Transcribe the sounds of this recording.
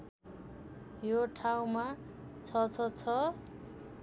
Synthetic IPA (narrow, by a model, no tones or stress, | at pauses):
joʈʰaw̃ma | t͡sʰʌt͡sʰʌt͡sʰʌ